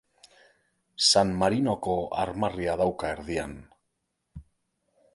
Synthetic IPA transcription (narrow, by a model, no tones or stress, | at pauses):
sanmaɾino̞ko̞a̰ɾmariaðawkaeɾðia̰n